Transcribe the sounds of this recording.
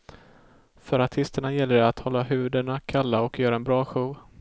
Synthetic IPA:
fœɾaʈʰɪst̪əɳajɛlːəɖɛat̪hɔlːaɦʉ̟ːd̪əɳakʰalːaɔkjœːɾaɛnbɾɑːɧuːv

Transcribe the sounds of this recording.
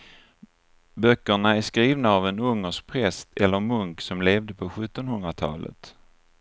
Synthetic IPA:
bœkːəɳaæʂkɾiːvnaːvɛnɵŋːəʂk̚pʰɾɛst̪ʰɛlːəɾmɵŋksɔmleːvd̪əpʰɔɧɵt̪ːɔnhɵnd̪ɾat̪ʰɑ̰ːlə̰t̪

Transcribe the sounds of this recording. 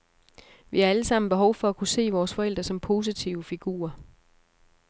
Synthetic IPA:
ʋihɑ̈æləsɑ̈m̰n̩b̥e̝ɦɒ̽ʊfɒ̽ækʰuse̝̰ːʋɒːsfɒ̽el̰d̥ʁɐsɒ̽mpʰo̝ːs̬it͡sʰiʊəfiɡ̥ṵːɐ

